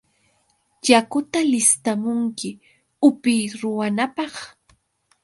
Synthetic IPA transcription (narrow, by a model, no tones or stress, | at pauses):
ʎakʊt̪alɪst̪amʊŋkɪ | ʊpɪjɾʊwanapɑχ